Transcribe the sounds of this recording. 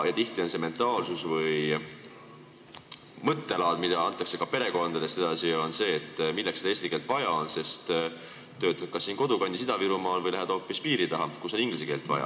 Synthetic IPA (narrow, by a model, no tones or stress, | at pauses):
jɑt̪iht̪io̞nse̞me̞nt̪ˑɑːlsusvɤj | mɤt̪ːe̞lɑːd̪mid̪̥ɑɑnt̪ːˑɑkse̞kɑpe̞ɾe̞ko̞nd̪̥ɑd̪e̞st̪e̞d̪̥ɑsio̞nse̞ːt̪ːˑmilːekse̥eːst̪ike̞ːlt̪ˑvɑjɑo̞nse̞st̪ | t̪ːø̞ːt̪̚ːˑkɑsːiːnko̞d̪ukɑnʲd̪is̬id̪ɑviɾumɑːlvɤjlæɦed̪̥o̞ːpːˑispiːɾit̪ɑɦɑkuso̞niŋɡlis̬eke̞ːlt̪vɑ̰jɑ̰